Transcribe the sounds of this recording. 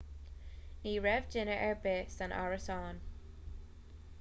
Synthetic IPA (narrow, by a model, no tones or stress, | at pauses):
niːɹɛvd͡ʒɪnəʔɛɹbɪsə̃nʔa̰ɹəsɑn